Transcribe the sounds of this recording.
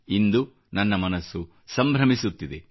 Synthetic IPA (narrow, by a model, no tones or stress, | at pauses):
ind̪u | nɐnːɐmɐnɐsːu | sɐmbʱɾɐmisut̪ːid̪e